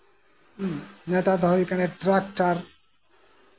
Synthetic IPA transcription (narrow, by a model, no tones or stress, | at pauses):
net̪ad̪ʱɔjkaneʈɾak̚ʈaɾ